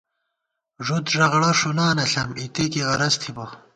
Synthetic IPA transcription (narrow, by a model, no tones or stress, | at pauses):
ʐut̪ʐɐʁɽɐʂunaːnɐɬɐmit̪ekiɣɐɾɐst̪ʰibɐ